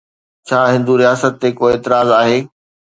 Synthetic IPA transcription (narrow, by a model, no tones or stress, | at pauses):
t͡ɕʰaːɦɪ̃nd̪uɾijaːsət̪ːekoːeːt̪ɪɾaːzaːɦeː